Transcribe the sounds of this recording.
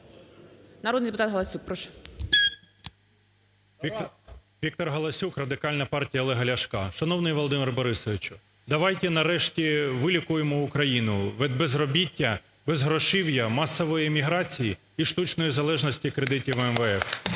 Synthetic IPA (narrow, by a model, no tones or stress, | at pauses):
nɐɾɔd̪nid̪epʊt̪ɑt̪ɦɐlˠɐsʲuk̚pɾɔʃɔ̥ | ʋʲik̚t̪ɔrɦɐlˠɐsʲukrɐd̪ɪkɑlʲnɐpɑrtʲijɐlˠɛɦɐlʲɐʃkɑʃɐn̪ɔwnɪjʋɔlˠɔd̪ɪmɪrbɔɾɪsɔʋʲɪt͡ʃʊ̥ | d̪ɐʋɑjt̪ɛnɐɾɛʃtʲiʋɪlʲikʊjemɔʊkɾɐjinʊʋɛd̪̚bezrɔbʲitʲːɐ | bezɦɾɔʃɪwjɐmɑsːɔʋɔjimʲiɦɾɑt͡sʲiji | iʃt̪ut͡ʃnɔjizɐlˠɛʒnɔsʲtʲikɾed̪ɪtʲiwɛmʋɛɛf